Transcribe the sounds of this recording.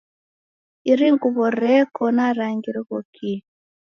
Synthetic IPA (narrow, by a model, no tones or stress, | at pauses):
iɾiŋɡuβɔɾɛkɔnaɾaŋɡiɾiɣɔkʰi